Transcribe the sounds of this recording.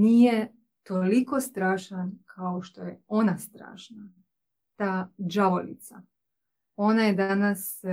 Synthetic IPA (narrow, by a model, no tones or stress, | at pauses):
niːje | t̪o̞liko̞st̪ɾaːʃankʰaoʃt̪ojeo̞nast̪ɾa̰ːʃna | t̪aːd͡ʒaʋolḭt̪sa | o̞najed̪anas